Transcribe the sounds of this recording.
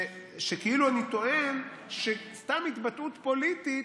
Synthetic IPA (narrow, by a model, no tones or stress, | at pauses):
ʃekeiluanit̪o̞ʔen | ʃest̪amit̪bat̪ʔut̪po̞lit̪i